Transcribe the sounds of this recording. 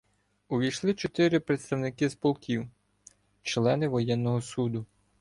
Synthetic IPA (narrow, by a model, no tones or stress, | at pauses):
ʊʋʲijʃlˠɪt͡ʃɔt̪ɪɾɪpɾet̪st̪ɐwnɪkispɔlˠkʲiw | t͡ʃlˠɛnɪʋɔjɛnːɔɦɔsud̪ʊ